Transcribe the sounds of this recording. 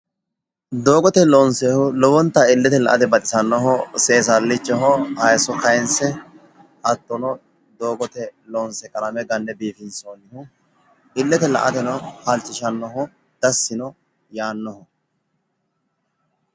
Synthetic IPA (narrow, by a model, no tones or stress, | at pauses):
d̪oːɡɔt̪ɛlɔːnsehʊlɔwɔnt̪ːɐɪlːɛt̪ɛlɐ̰ʔɐt̪ɛbɐt̪ʼɪsɐnːɔɦɔseːs̬ɐlːɪt͡ʃːɔɦɔhɐjsɔkɐjnsɛ | ʔɐt̪ːɔnɔ | d̪o̞ːɡɔt̪ɛlɔːnsɛkʼɐlɐmɛɡɐnːɛbiːfɪnsoːnɪhʊ | ɪlːɛt̪ɛlɐ̰ʔɐt̪ɛnɔhɐlt͡ʃːɪʃɐnːɔɦɔ | d̪̥ɐsːɪnɔ | jaːnːɔhɔ